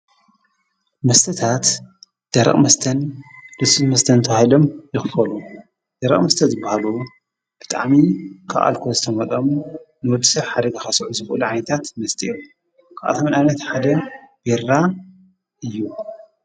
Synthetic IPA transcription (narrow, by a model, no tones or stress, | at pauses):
mɐst̪ʰɐt̪ʰat̪ | d̪̥ɐɾɐ̰χʼmɐst̪ʰɐnlɨsɨmɐst̪ʰɐnt̪ʰɐβahilo̞mjɪxfɐlu | d̪̥ɐɾɐ̰χʼmɐst̪ʰɐzɨbahalu | b̥ɨt̪ʼa̰ʕmikʰa̰ʔa̰lkʰozɨt̪ʰɐmɐt̪ʼɐm | nɨwɔd̪ːi̥sɐβħad̪ɐɡaxɐsʕuzɨxɨʔluʕajnɐt̪ʰat̪mɐst̪ʼiju | kʰaʔa̰t̪ʰɐmɨnajnɐt̪ħad̪ɐbeɾːa | ʔɨjːu